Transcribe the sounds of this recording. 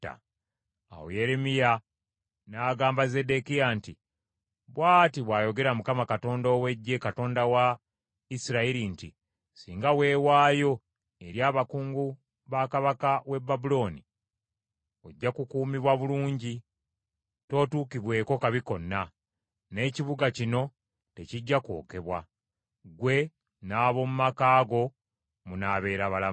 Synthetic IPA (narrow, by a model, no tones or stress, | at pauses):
a̰ | a̰wo̰je̞ɾe̞mija | naːɡaːmbaze̞de̞kijanti | βwaːtiβwaːjo̞ɡe̞ɾamukamakato̞ːndoːwe̞ɟːe̞kato̞ːndawa | isiɾaiɾinti | siːŋɡawe̞ːwaːjo̞ | e̞ɾjaːβakuːŋɡu | βakaβakawe̞bːabulo̞ːni | oɟːakukuːmiβwaβuluːɲɟi | to̞ːtuːkiβwe̞ːko̞kaβiko̞nːa | ne̞ːciβuɡacino̞ | te̞ciɟːako̞̰ːke̞βwa̰ | ɡwe̞ | naːβo̞mumakaːɡo̞ | munaβe̞ːɾaβala